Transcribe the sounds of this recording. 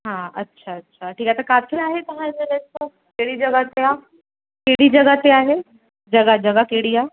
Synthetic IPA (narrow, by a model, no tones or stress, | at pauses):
ɦãːɐtːʃʰaɐtːʃʰaʈʰiːkaɛt̪okaːfʰiaːɦet̪ɐɦãmeɾet̪õ | keːɽid͡ʒɐɡat̪eaː | keːɽid͡ʒɐɡat̪eaːɦe | d͡ʒɐɡad͡ʒɐɡakeːɽiaː